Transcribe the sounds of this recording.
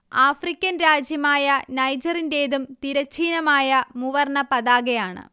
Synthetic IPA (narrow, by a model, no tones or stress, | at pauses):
aːfrikʲːɐnɾaːd͡ʑjɐmaːjɐnɐjd͡ʑɐrinde̞ːðumt̪iɾɐt͡ɕʰːiːnɐmaːjɐmuʋɐrɳɐpɐðaːɣejaːɳɨ̰